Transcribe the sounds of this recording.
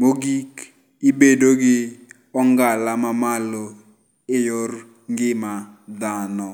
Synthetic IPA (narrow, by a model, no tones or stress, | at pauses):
moɡik | ɪbedoɡɪ | ɔŋɡalamamalo | ejor | ŋɡɪmad̪anɔ